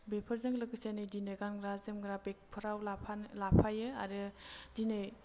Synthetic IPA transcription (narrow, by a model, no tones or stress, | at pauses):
bepʰəɾzɯŋlɯkɯsenɯjdinɯɡanɡɾazemɡɾabek̚pʰɯɾawlapʰalapʰajɯa̰ɾɯdinɯj